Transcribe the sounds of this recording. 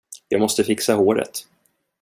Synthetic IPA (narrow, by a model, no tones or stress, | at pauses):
jɑːɡmɔst̪əfɪksaɦoːɾə̰t̪